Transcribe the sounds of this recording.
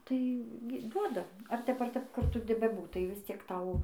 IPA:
tɐɪ ɡʲɪ ˈduɔdɐ ɐr ˈtʲɛp ɐr ˈtʲɛp ˈkʊr ˈtʊ bʲɛˈbuːtɐɪ ʋʲɪsʲˈt͡sʲiɛk ˈtɐʊ

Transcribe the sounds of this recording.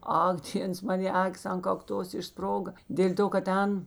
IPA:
ˈɐk ˈdʲeːns ˈmɑːnʲeː ˈɑːkʲɪs ɐn kɐkˈtoːs ɪʃˈsproːɡɐ ˈdʲeːlʲ toː kɐt ˈtʲɛn

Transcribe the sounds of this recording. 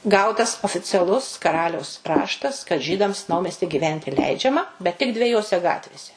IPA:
ˈɡɐʊtɐs oːfʲɪt͡sʲɛˈlˠʊs kɐˈrɑːlʲɛʊs ˈrɑːʃtɐs kɐt ˈʒʲiːdɐms ˈnɐʊmʲɛsʲtʲɪ ɡʲiːˈʋʲɛnʲtʲɪ ˈlʲɛɪd͡ʒʲɛmɐ bʲɛt tʲɪk dʲʋʲɛˈjoːsʲɛ ˈɡɑːtʲʋʲeːsʲɛ

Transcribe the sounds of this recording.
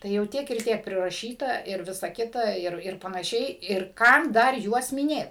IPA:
ˈtɐɪ jɛʊ ˈtʲiɛk ɪr ˈtʲiɛk pʲrʲɪrɐˈʃʲiːtɐ ɪr ˈʋʲɪsɐ ˈkʲɪtɐ ˈɪr ɪr pɐnɐˈʃʲɛɪ ɪr ˈkɐm ˈdɐr ˈjuɔs mʲɪˈnʲeːt

